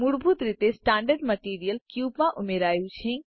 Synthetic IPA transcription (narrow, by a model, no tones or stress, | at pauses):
muɽbʱut̪ɾit̪esʈãːɳɖəɾɖməʈiɾijəlkjubmãʔumeɾaːjut͡ʃʰĩ